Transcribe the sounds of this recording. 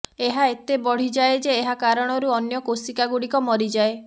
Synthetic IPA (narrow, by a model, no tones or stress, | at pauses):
eɦaet̪ebɔɽ̤id͡ʒaed͡ʒeːɦakaɾɔɽ̃ɔɾuɔnjɔkosikaɡuɽikɔmɔɾid͡ʒae